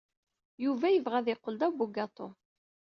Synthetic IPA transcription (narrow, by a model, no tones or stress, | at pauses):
juvæjəvʁæðɪqːəld̪æwbuɡɑt̪ˤo